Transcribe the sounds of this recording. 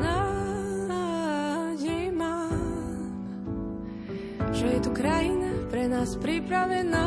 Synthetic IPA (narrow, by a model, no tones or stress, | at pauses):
na | jɛma | ʒɛjɛt̪ukɾajinapɾɛnaːspɾipɾavɛna